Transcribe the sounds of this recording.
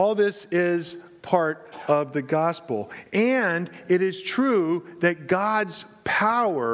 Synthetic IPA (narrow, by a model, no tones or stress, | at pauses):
ɔlˠðɪsɪz̥ | pʰɑɹɾʌvðɨɡɑspl̩ˠʔɨ̃ndɪɾɪz̥tʰɹ̥uðɨt̚ɡ̥ɑdz̥ | pʰaʊə˞